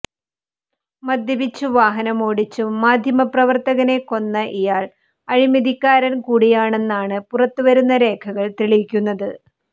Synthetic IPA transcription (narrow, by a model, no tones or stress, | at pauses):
mɐd̪ʱjɐbit͡ɕːuʋaːɦɐnɐmo̞ːɽit͡ɕːuːaːd̪ʱjɐmɐprɐʋɐrt̪ɐɣɐne̞ko̞nːɐʔijaːɭ | ɐɻimɐd̪ʱikʲːaːɾɐnkuːɽijaːɳe̞nːaːɳɨpurɐt̪ːɨʋɐɾunːɐɾe̞ːkʰɐɣɐɭt̪iɭikʲːunːɐðɨ